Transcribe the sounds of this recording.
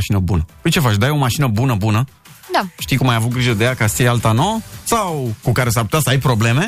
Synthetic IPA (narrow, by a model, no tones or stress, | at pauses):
aʃinəbunəəjt͡ʃe̞fat͡ʃd̪ajo̞maʃinəbunəbunə | d̪aʃt̪ijkumːajavut̪̚ɡɾiʒəd̪e̞jakast̪iejalt̪anosawkukaɾe̞s̬arput̪ʲasəajpɾo̞ble̞me̞